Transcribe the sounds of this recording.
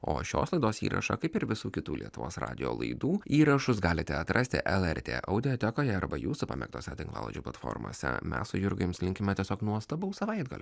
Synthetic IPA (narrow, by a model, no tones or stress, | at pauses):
o̰ːʃʲo̰ːslˠɐɪd̪oːsḭːɾʔɐ̰ʃɐ̰kɐɪpɪɾʋʲɪsuːkʲɪt̪uːlʲiɛt̪ʊʋo̰ːsɾɑ̰ːd̪ʲɪjo̰ːlˠɐ̰ɪd̪uːiːɾɐʃʊsɡɑːlʲɪt̪ʲɛɐt̪ɾʔɐsʲt̪ʲɪ̰ʔɛlˠɛɾʲt̪ʲḛːʔɐʊd̪ʲɪjoːt̪ʲɛkoːjɛɐɾbɐjuːsʊpɑ̰mʲɛ̰kt̪oːsʲɛt̪ʲɪŋklˠɑ̰ːlˠo̰d͡ʒʲuːplˠɐt̪fo̰ːɾmo̰ːsʲɛ̰mʲɛ̰ssʊjʊɾɡɐɪmslʲɪŋʲkʲɪmʲɛt̪ʲiɛsʲoːknuɔst̪ɐbɐʊsɐʋɐɪd̪ɡɐ̰lʲʊ